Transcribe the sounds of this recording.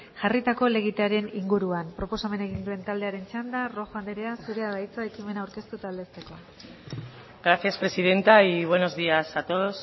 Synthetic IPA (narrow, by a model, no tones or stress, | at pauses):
ʝarit̪ako̞le̞ɣ̞it̪aɾe̞niŋɡuɾuampɾo̞po̞same̞ne̞ɣ̞ind̪ue̞nt̪ald̪e̞aɾe̞nt͡ʃand̪aro̞xand̪eɾe̞asuɾe̞aðajt͡sae̞kime̞nawɾke̞st̪ut̪ald̪e̞st̪e̞ko̞ | ɡɾaθjaspɾe̞sið̞e̞nt̪aiβ̞we̞no̞zðiasat̪o̞ðos